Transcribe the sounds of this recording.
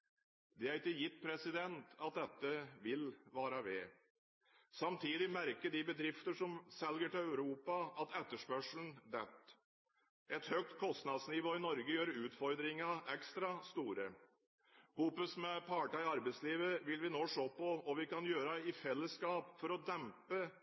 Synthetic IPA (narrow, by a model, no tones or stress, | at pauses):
d̪ɛæɾɪkːəjɪt̪ːpʰɾɛsɪd̪ɛnt̪ɑt̪̚d̪ɛt̪ːəʋɪlʋɑːɾɑʋeː | sɑmt̪ʰiːd̪ɪmæɾkəɖɪbəd̪ɾɪft̪əʂɔmsɛlɡəʈɪlɑʉɾuːpɑɑt̪ɛt̪ːəʂpœʂln̩d̪ɛt̪ː | ɛt̪hœk̚t̪kʰɔst̪nɑd̪snɪʋoːɪnɔɾɡəjøːɾʉːt̪fɔɾd̪ɾɪŋɑʔɛkst̪ɾɑst̪uːɾə | huːpəsmɛpʰɑːʈəɪɑɾbɛɪsliːʋəʋɪlʋɪnoːʂoːpɔɔʋɪkɑnjøːɾəɪfɛlːəskɑːpfɔɾɔd̪ɛmpə